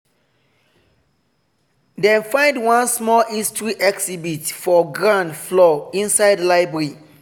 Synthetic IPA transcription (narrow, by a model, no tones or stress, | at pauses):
dɛ̃nfãɪ̃ndwãnsmɔlistʰɹiʔɛksibitfɔɡɹãndflɔĩnsaɪdlaɪbɛɹi